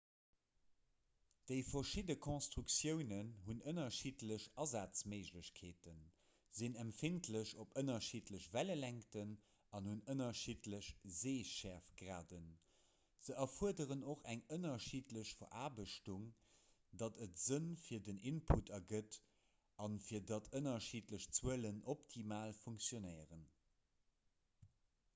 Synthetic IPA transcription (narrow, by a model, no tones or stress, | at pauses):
d̥əɪfɐʃidəkʰõnstʁuksjəʊnənɦunənɐʃitləɕɑzaːt͡sməɪʑləɕkʰeːtən | zinæmfintʰləɕopənɐʃitləɕvæləlæŋktən | ɑnhunənɐʃiːtləɕzeːʃæʁfɡ̥ʀa̰ːdən | z̥əʔɐfuəɐdəʁənoχæŋənɐʃiːtləɕfoʔaːbəʃtuŋ | dɑtʰətz̥ənfiːɐdəninpʰutɐɡət | ɑnfiːɐdɑtʰənɐʃiːtləɕt͡swuələnʔoptʰimaːlfuŋksjonəɪəʁən